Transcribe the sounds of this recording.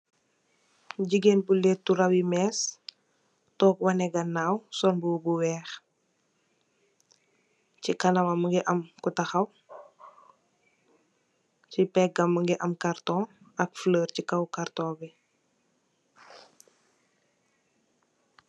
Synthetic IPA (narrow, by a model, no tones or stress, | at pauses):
ɟiɡenbulɛtːuɾɐwimɛːs | tɔːkwɐnɛɡɐnːaːwsɔnbubuwɛːx | cikɐnɐmɐmuŋɡɛʔɐmkutɐxɐw | cipɛk̚ɡɐmːəŋɡɛʔɐmkartɔ̃ː | ɐk̚fləːɾcikɐwkartɔ̃ːbi